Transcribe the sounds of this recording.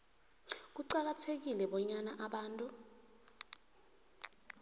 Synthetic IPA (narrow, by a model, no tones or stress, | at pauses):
k̬uǀak̬atʰek̬ilɛɓɔɲanaʔaɓaːntʼu